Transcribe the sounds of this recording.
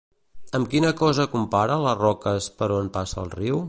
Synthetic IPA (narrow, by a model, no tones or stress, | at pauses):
əmkinəkɔzəkumpaɾələrɔkəspəɾonpasə̰ːlˠriw